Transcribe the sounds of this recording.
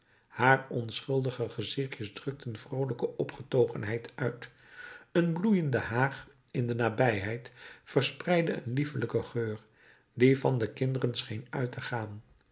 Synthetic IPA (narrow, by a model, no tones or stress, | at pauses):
haːrɔnsχɵlˠdəχəχəzɪχjəzdrɵk̚tʰənv̥rowləkəʔɔpχətowχənɦɛjtʰœɥt | ənblujəndəɦaːχ | ɪndənaːbɛjɦɛjtfərsprɛjdəə̰nlifələkəχøːr | divɑndəkɪndərənsχejnœɥtəχaːn